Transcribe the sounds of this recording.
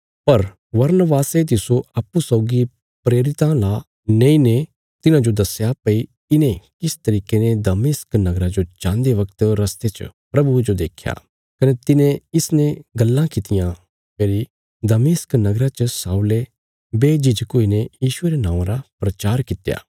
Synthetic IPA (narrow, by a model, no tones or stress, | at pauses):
pɐɾ | ʋɐɾnəʋaːset̪ɪsoaːpːusɔʊɡi | pɾeːɾɪt̪ãla | nẽĩne | t̪ɪnãd͡ʒod̪ɐsjapɐi | ɪnẽkɪst̪ɐɾiːkened̪ɐmɪsknɐɡɾad͡ʒot͡ʃãːnd̪eʋɐkt̪ɾɐst̪et͡ʃpɾɐbud͡ʒod̪eːkʰja̰ | kɐnet̪ɪnẽɪsneɡɐlːãkɪt̪ɪjã | keːɾi | d̪ɐmɪsknɐɡɾat͡ʃəsaːule | beːd͡ʒɪd͡ʒkoːinejiːʃʊeɾenãːɾapɾɐt͡ʃaːɾkɪt̪ja̰ː